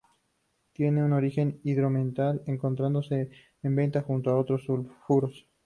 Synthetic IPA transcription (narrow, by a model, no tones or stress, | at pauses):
t̪je̞ne̞uno̞ɾixe̞niðɾo̞mẽnt̪aleŋko̞nt̪ɾand̪o̞se̞ː | mbe̞nt̪axunt̪oaot̪ɾosulfuɾos